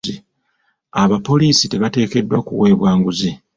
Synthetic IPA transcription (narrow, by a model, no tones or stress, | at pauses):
i | aβapo̞liːsite̞βate̞ːke̞dːwakṵwe̞ːβwaːŋɡuzi